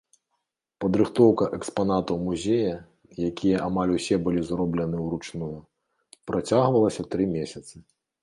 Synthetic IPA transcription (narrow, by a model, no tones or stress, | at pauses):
pɐd̪ɾɨxt̪ɔwkɐʔɛkspanat̪ɐwmuzʲejɐ | jakʲʰijɐʔamalʲusʲɛbɨlʲizrɔblʲɐnɨwɾut͡ʂnujɐ | pɾat͡sʲaɣvɐlˠɐsʲɐt̪ɾɨmʲesʲɐt̪sɨ